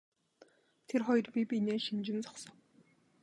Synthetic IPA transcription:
t̪ʰerχɔjɞ̆rpʲipʲineːʃimt͡ɕɪ̆nt͡sɔ̥χsɞ̆ŋ

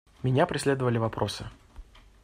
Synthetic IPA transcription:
mʲɪnʲapɾʲɪsʲlʲed̪əvəlʲɪvɐpɾʔo̞sɨ

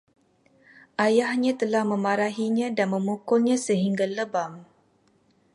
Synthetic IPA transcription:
ʔajahɲãt̪əlahməmaɾaɦiɲãdanməmukʊlɲãsəɦiŋɡaləbam

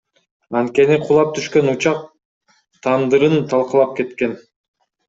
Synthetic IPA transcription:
ɑnt̪̚ke̞niqʰulˠɑp̚t̪ʰyʃkønut͡ʃɑq̚ | t̪ʰɑnd̪ɯɾɯnt̪ʰɑlˠqɯlˠɑp̚ke̞t̪ke̞n

